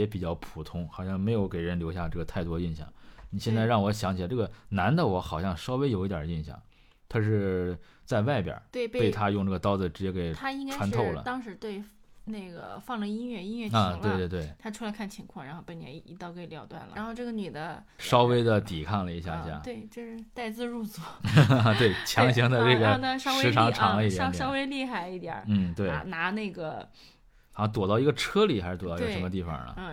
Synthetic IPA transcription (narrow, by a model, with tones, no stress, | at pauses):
jɛ˧˥pi˨˩t͡ɕjɑ˥˩ʊpʰu˨˩t̪ʰʊ˥ŋxɑ˨˩ʊɕjɑ˥˩ŋme˧˥ɪjo˧˥ʊke˨˩ɪɻə˧˥nljo˧˥ʊɕja˥˧ʈ͡ʂɤ˥˩ɡə˩t̪ʰa˥˩ɪt̪wɔ˥i˥˧nɕjɑ̰˥˩ŋni˨˩ɕjɛ˥˧nt͡sa˥˧ɪɻɑ˥˩ŋwɔ˧˥ɕjɑ˧˥ŋt͡ɕʰʈ͡ʂɤ˥˩ɡə˩na˧˥nd̪ə˨wɔ˧˥xɑ˨˩ʊɕjɑ˥˧ŋʂɑ˥ʊwe˥ɪjo˨˩ʊi˥t̪jɐ˨˩˦i˥˧nɕjɑ̰˥˩ŋ | t̪ʰa˥ʂ̬ɻ̩˥˧ | t͡sa˥˧ɪwa˥˩ɪpjə̰˨˩˦t̪we˥˧pe˧pe˥˩ɪt̪ʰa˥jʊ˥˧ŋʈ͡ʂɤ˥˩ɡə˩t̪ɑ˥ʊd͡zɹ̩˨˩ʈ͡ʂɻ̩˧˥t͡ɕjɛ˧˥ke˨˩ɪtt̪ʰa˥i˥ŋka˥ʈ͡ʂʰwa˥nt̪ʰo˥˩ʊlə̰˩t̪ɑ˥ŋʂɻ̩˧˥t̪we˥˧ɪne˥˩ɪɡə̰˩fɑ˥˩ŋlə˨˩i˥nɥɛ˥˩i˥nɥɛ˥˩˥t̪we˥˧ɪ˧wɪwe˥˩t̪ʰa˥ʈ͡ʂʰu˥la˧˥ɪkʰnt͡ɕʰi˧˥ŋkʰwɑ˥˩ŋɻa˧˥nxo˥˩ʊpə˨˩njɛ̰˧˥˩i˧˥t̪ɑ˥˧ʊkʰə˥i˨˩ljɑ˧ʊt̪wa̰˥˩nlə̰˨a˧˥nxo˥˧ʊʈ͡ʂɤ˥˩ɡə˩ny˨˩d̪ə˦ | ʂɑ˥ʊwe˥ɪd̪ə˨t̪i˨˩kʰɑ˥˩ŋlə˩i˧˥ɕja̰˥˧˩i˧˥ɕja̰˧˥˩t̪we˥˩ɪt͡ɕjo˥˧ʊʂɻ̩˥˧t̪a˥˧ɪt͡sɹ̩˥˧ɻu˥˩t͡su˨˧˩t̪we˥˩ɪt͡ɕʰjɑ˧˥ŋɕi˧˥ŋt͡sa˥˧ɪʈ͡ʂe˥˩ɡə˨˩n˧ʂɑ˥ʂwe˥˧˥ʈ͡ʂʰɑ˧˥ŋʈ͡ʂʰɑ˨˧˥ŋlə˧i˥˩t̪ɛ˧˥jɑ˥ʊwe˥ɪli˥˧xa˥˩ɪi˥˩t̪jɛ̰˨˩˦n̩˥˩t̪we˥˩ɪ˧˥na˧˥ne˥˩ɪɡə˩ | ɑ˧˥t̪wɔ˨˩t̪ɑ˥˩ʊi˧˥ɡə˧ʈ͡ʂʰɤ˥li˨˩xa˧˥ʂɻ̩˧˥t̪wt̪ːʂmə˧t̪i˥˩fɑ̰˨˩nə̰˩˥˧